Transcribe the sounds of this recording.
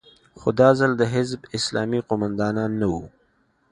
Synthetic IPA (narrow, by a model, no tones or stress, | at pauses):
xod̪ɑːzald̪əɦɪzbɪslɑːmiqʊmand̪ɑːnɑːnːawu